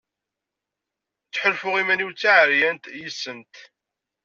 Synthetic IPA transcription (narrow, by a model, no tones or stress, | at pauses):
t͡sːħəlfʊʁimæniwt͡sːaʕəɾjænt̪jisːənt̪